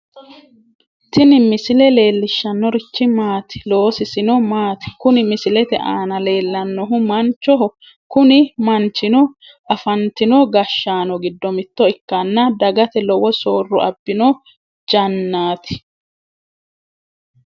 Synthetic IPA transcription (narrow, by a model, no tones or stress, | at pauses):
t̪ɪnɪmɪsɪlɛle̞ːlːɪʃːɐnːɔɾɪt͡ʃːɪmaːt̪ɪ̥lo̞ːsɪsɪnɔmaːt̪ɪ̥kʊnɪmɪsɪlɛt̪ɛ̰ʔaːnɐle̞ːlːɐnːɔɦʊmɐnt͡ʃːɔɦʊ | kʊnɪmɐnt͡ʃɪnɔ | ɐfɐnt̪ɪnɔɡɐʃːaːnɔɡɪd̪ːɔmɪt̪ːɔɪkːɐnːɐd̪ɐɡɐt̪ɛlɔwɔsoːrːɔ̰ʔɐbːɪnɔ | d͡ʒɐnːaːt̪ɪ̥